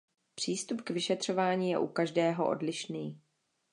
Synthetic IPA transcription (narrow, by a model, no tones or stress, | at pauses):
pr̝̥iːst̪upkvɪʃɛt̪r̝̥o̞vaːɲiːjɛ̰ʔukaʒdɛːɦo̞̰ʔo̞̰dlɪʃniː